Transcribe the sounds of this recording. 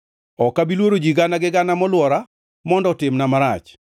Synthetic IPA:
ɔkabilwoɾod͡ʒiɡanaɡɪɡanamɔlwɔɾa | mɔndɔtɪmnamaɾat͡ʃ

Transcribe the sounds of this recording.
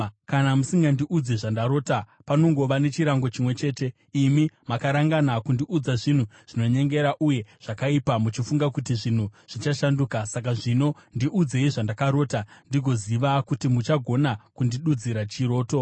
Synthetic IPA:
kanamusiŋɡandiʔud͡zeʐandaɾo̞ːta | pano̞ŋɡo̞ʋane̞t͡ʃiɾaŋɡo̞t͡ʃimwe̞t͡ʃe̞ːte̞ | imimakaɾaŋɡanakundiʔud͡zaʐin̤uʐ̥ino̞ɲe̞ŋɡe̞ɾaʔuje̞ʐ̥akaipamut͡ʃifuŋɡakutiʐin̤uʐ̥it͡ʃaʃanduːkasak̬aʐino̞ndiʔud͡ze̞iʐandakaɾo̞ːtandiɡʱo̞ziʋakutimut͡ʃaɡʱo̞nakundiɗud͡ziɾat͡ʃiɾo̞ːto̞

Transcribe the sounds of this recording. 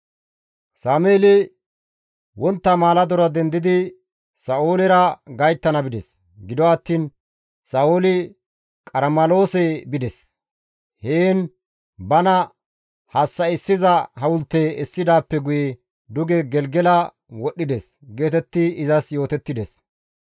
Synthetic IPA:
saːmeːlɪ | wʔɔnt̪ːɐmaːlɐd̪ɔɾɐd̪ɛnd̪ɪd̪ɪ | sɐʔoːlɪɾɐɡɐjt̪ːɐnɐbɪd̪ɛs | ɡɪd̪ɔɐt̪ːiːn | sɐʔoːlɪ | kʼɐɾmɐlo̞ːsɛbɪd̪ɛs | heːn | bɐnɐ | hɐsːɐɪsːɪzɐhɐwʊlt̪ːɛɪsːɪd̪aːpːɛɡʊjɛ | d̪ʊɡɛɡɛlɡɛlɐ | wɔɗːɪd̪ɛs | ɡe̞ːt̪ɛt̪ːɪɪzɐsjo̞ːt̪ɛt̪ːɪd̪ɛs

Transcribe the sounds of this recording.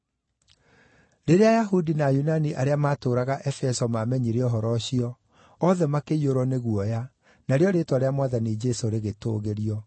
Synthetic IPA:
ɾeɾeajaɦudinajunaniʔaɾeamaːtoːɾaɣaʔɛfɛsɔmamɛɲiɾeɔɦɔɾɔɕiɔ | ɔðɛmakeioɾɔneɣuɔja | naɾeɔɾetwaɾeamwaðanid͡ʒesoɾeɣetoɣeɾiɔ

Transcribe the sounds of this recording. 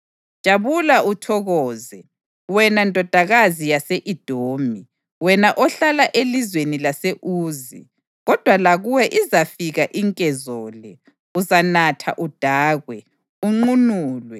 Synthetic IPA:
ʒ̥ʱʼaβulautʰɔɣɔːzɛ | wɛnandʼʱɔd̥ʱaɣazijaseʔid̥ʱoːmi | wɛnaʔɔɬalaʔelizwenilaseʔuːzḭ | ɣɔd̥ʱwalaɣuwɛʔizafiɣaʔiŋkʼɛzɔːlɛ | uzanatʰa̰ʔud̥ʱaːɣwɛ | uŋ͡ǃunuːlwɛ

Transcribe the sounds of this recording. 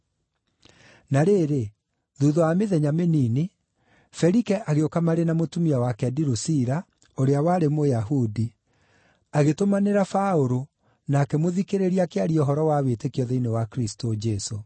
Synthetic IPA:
naɾeːɾe | ðuðɔameðɛɲamenini | fɛɾikɛʔaɣeokamaɾenamotumiawakɛdiɾosiɾa | oɾeawaːɾemojaɦudi | aɣetomaneɾafaoɾo | naːkɛmoðikeɾeɾiakeaɾiɔɦɔɾɔwawetekiɔðeinewakɾistod͡ʒɛso

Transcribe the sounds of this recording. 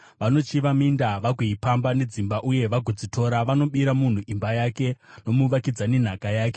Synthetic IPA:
ʋano̞t͡ʃiʋamindaʋaɡʱeipambane̞d͡zimbaʔuje̞ʋaɡʱod͡zitʰo̞ɾaʋano̞ɓiɾamun̤uʔimbajake̞no̞muʋakid͡zane̞n̤akajaːke

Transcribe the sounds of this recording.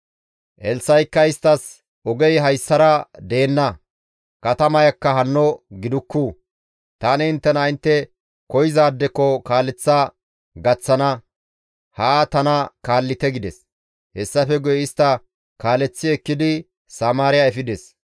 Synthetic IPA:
ʔɛlsɐjkːɐɪst̪ːɐs | ɔɡɛjɦɐjsːɐɾɐd̪e̞ːnːɐ | kɐt̪ɐmɐjɐkːɐɦɐnːɔɡɪd̪ʊkːuː | t̪aːnɛɪnt̪ːɛnɐɪnt̪ːɛ | kɔjzaːd̪ːɛkːɔkaːlːɛt͡sːa | ɡɐt͡sːɐnɐ | haːt̪ɐnɐkaːlːɪt̪ɛɡɪd̪ɛs | hɛsːɐfɛɡʊjɛɪst̪ːɐ | kaːlɛt͡sːɪɛkːɪd̪ɪ | sɐmaːɾɪjaɛfɪd̪ɛs

